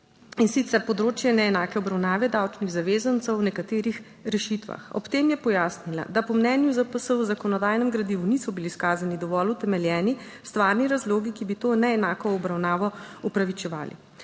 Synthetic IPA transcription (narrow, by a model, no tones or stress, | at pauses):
insit̪sɛɾpɔd̪ɾoːt͡ʃjɛnɛɛnaːkɛɔbɾawnaːʋɛd̪awt͡ʃniɣzaʋeːzant̪səwnɛkat̪eːɾix | ɾɛʃit̪ʋa̰xɔ̰pt̪eːmjɛpɔjaːsnila̰d̪apɔmnɛːnjuzapəsəwzakɔnɔd̪aːjnɛmɡɾad̪iʋunisɔbiliskaːzanid̪ɔʋɔlut̪ɛmɛljɛːni | st̪ʋaːɾniɾazloːɡikibit̪oːɛnɛɛnaːkɔːbɾawnaːʋɔupɾaʋit͡ʃɛʋaːlḭ